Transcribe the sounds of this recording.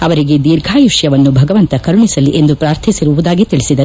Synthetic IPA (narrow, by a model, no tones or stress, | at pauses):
ɐʋɐɾiɡe̞d̪iːɾɡʱaːjuʂjɐʋɐnːubʱɐɡɐʋɐnt̪ɐkɐɾuɳisɐliʔe̞nd̪upɾaːɾt̪ʰisiɾuʋud̪aːɡit̪iɭisid̪ɐɾ